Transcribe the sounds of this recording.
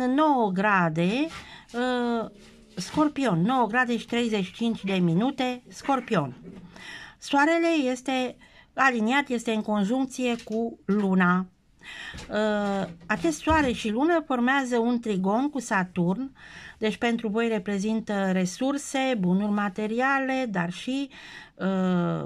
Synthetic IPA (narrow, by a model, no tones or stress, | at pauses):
no̞wəɡɾad̪e̞ə | sko̞rpio̞nːo̞wəɡɾad̪e̞ʃi̥t̪ɾe̞jze̞ʃi̥t͡ʃint͡ʃʲd̪e̞minut̪e̞sko̞rpio̞n | soaɾe̞le̞je̞st̪e̞aliniat̪je̞st̪e̞ɨŋko̞nʒuŋk̚t̪sije̞kuluna | əat͡ʃest̪soaɾe̞ʃilunəfo̞rmeazəunt̪ɾiɡo̞nkusat̪urnd̪e̞t͡ʃʲpe̞nt̪ɾuvo̞jre̞pɾe̞zint̪əre̞surse̞bunurʲmat̪e̞ɾiale̞d̪arʃiə